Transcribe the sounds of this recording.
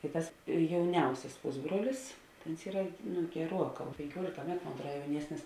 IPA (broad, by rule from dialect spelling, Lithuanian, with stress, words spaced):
tɐɪ ˈtɐs jɛʊˈnʲɛʊsʲɛs ˈpʊzbruɔlʲɪs tɐ oːns ˈiːrɐ nʊ ɡʲɛˈruɔˌkɑː pʲɛŋʲkʲuɔlʲɪkɐ ˈmʲæːtʊ moːn ɐtˈruɔt jɛʊˈnʲiɛsʲnʲɪs